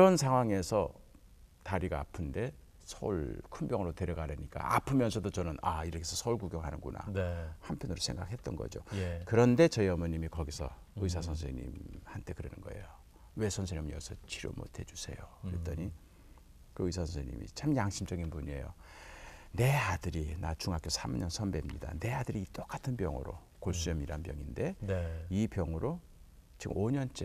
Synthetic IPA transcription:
ɾʌnsʰaŋɦwaŋe̞sʰʌ | taɾiɡaːpʰɯnde̞ | sʰʌuɭkʰumbjʌŋɯɾote̞ɾjʌɡaɾeɲik͈a̰apʰɯmjʌnsʰʌdot͡ɕʌnɯnaiɾʌkʰesʰʌsʰʌuɭkuɡjʌŋɦanɯnɡuna̰nhampʰjʌnɯɾosʰe̞ŋɡak̚he̞t͈̚ʌnɡʌ̰d͡ʑo̰jkɯɾʌnde̞t͡ɕʌiʌmʌɲimikʌɡisʰʌ̰ | ɯisʰasʰʌns̬ʰeɲḭmhantʰe̞kɯɾenɯnɡʌ̰e̞̰jo | we̞sʰʌns̬ʰeɲimʌsʰʌt͡ɕʰiɾjo̰mo̰tʰe̞d͡ʑusʰe̞joet͈ʌɲi | kɯisʰasʰʌnsʰeɲḭmḭt͡ɕamjaŋɕʰimd͡ʑʌɡinpuɲie̞̰jo̰ | ne̞adɯɾinat͡ɕuŋɦak͈josʰamuɲʌnsʰʌnbe̞mɲida̰ne̞adɯɾiit͈ok͈atʰɯnpjʌŋɯ̰ɾo̰ | koɭs͈uɲʌmiɾanpjʌŋinde̞ipjʌŋɯɾʔo | t͡ɕiʔoɲʌnt͡ɕ͈e

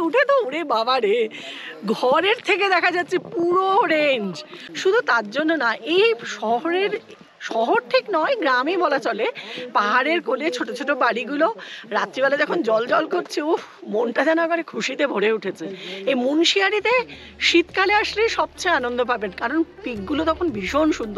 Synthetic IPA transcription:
uʈʰet̪ouɾebabaɾeɡʱɔɾeɾt̪ʰek̬ed̪ɛkʰad͡ʑatːɕʰepuɾoɾeɲd͡ʑʃud̪ʱut̪aɾd͡ʑonːonaʔejʃɔɦoɾeɾ | ʃɔɦoɾʈʰiknɔeɡɾamibʱɔlat͡ɕɔlepaɦaɾeɾkolet͡ɕʰoʈot͡ɕʰoʈobaɽiɡuloɾat̪ːɾibaled̪ɛkʰond͡ʑɔld͡ʑɔlkoɾt͡ɕʰeomonʈad͡ʑanaɡɔɾekʰuʃit̪ebʱoɽeuʈʰet͡ɕʰeejmunʃiaɾit̪e | ʃit̪kaleaʃlejʃɔb̚t͡ɕeanond̪ʱop̬abenkaɾonpikɡulot̪ɔkʰonbʱiʃonʃund̪ʱo

